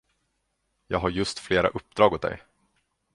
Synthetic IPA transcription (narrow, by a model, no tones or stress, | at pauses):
jɑ̰ːɡɦaɾjɵst̪fleːɾa̰ʔɵp̚ːd̪ɾɑːɡot̪̚d̪ɛ̰j